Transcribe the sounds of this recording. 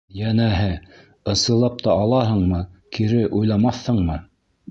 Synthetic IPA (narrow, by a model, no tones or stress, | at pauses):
jænæɦɘ | ɤ̆sɤ̆lˠɑp̚t̪ɑɑlˠɑɦɤ̆ɴmɤkiɾɘʔujlˠɑmɑθhɤɴmɤ